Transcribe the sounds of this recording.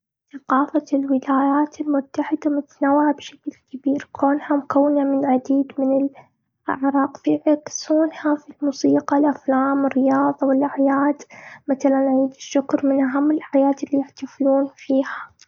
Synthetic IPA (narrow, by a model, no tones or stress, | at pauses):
θaqɑːfalwɪlaːjaːt̪ʰɪlmʊt̪ːaħɪd̪amʊt̪anawːɪʕabʃḁkɪlkɪbiːɾkʰoːnhamʊkawːɪnamɪnʕad̪iːd̪mɪnɪl | ʔa̰ʕɾˤɑːqfiʕɪksuːnhafilmuːsiːqɑlʔaflaːmɪrːɪjɑːðˤɑwɪlʔaʕjaːd̪maθalanʕiːd̪ɪʃːʊkɾmɪnʔaɦamːɪlħajaːt̪ɪlːijɪħt̪afluːnfiːha